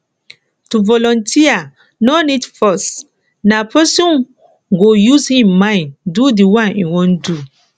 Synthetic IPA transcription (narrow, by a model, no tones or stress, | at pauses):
tuvɔlɔ̃ntʰia | nɔnidfɔs | napɛsɔ̃n | ɡojuzhĩmːãɪ̃ndudiwãnḭwõndu